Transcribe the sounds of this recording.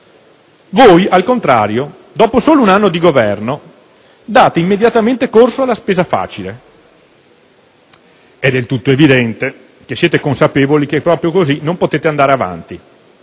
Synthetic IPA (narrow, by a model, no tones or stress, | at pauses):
voːjalkont̪ɾaːɾjo | d̪ɔːposoːlounanːod̪iɡovɛrno | d̪aːt̪eimːed̪jat̪ament̪ekorsoalːaspeːzafa̰ːt͡ʃile | ɛd̪elt̪ut̪ːoevid̪ɛnt̪e | kesːjeːt̪ekonsapeːvolik̟epːɾɔːpɾjokozinompot̪eːt̪eand̪aːɾeava̰nt̪i